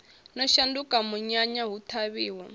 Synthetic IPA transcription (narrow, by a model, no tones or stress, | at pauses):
nɔʃandukamuɲaɲaɦut̪ʰaβiːwɔ